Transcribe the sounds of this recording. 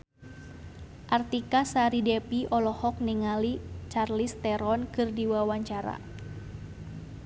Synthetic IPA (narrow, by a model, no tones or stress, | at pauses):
ʔart̪ikasaɾidɛpiɔlɔhɔk̚niŋalit͡ʃarlist̪ɛɾɔnkɨrdiwawaɲt͡ʃaɾa̰